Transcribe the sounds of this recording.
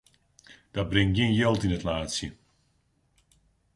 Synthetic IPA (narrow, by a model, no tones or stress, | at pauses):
d̥ɔt̚brɪŋɡjɪənjolˠtinətlaːtsjə